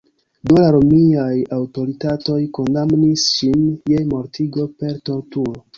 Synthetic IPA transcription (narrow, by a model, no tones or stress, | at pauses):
dulaɾomiajawto̞ɾitato̞jko̞ndamnisʃinjemo̞ɾtʰiɡo̞pe̞ɾto̞ɾtuɾo